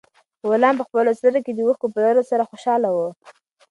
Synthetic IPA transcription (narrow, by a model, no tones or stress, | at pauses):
wolɑmp̬əxpəlosləɾoked̪əwuxkopəloɾosaɾaxoʃɑlawə